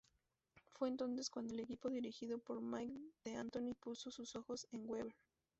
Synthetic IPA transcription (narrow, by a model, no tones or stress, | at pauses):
fwe̞ːnt̪o̞nse̞skwand̪oele̞kipo̞ðiɾixiðo̞po̞ɾmajkd̪e̞ant̪o̞nipuso̞suso̞xo̞se̞ŋɡweβeɾ